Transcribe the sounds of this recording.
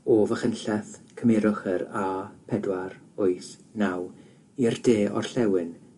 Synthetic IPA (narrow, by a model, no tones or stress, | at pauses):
oːvəχənɬɛθkʰəmeɾʊχəɾapʰɛdwaɾ | ʊjθnaw | irdeːɔ̰rɬɛwɨn